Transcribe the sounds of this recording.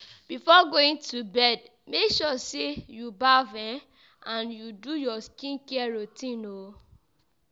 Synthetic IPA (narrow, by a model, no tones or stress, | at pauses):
b̥ifɔɡoĩŋtubɛd | mekʃɔsejubavɛ̃ | ãnjudujɔskĩnkɛɹotĩno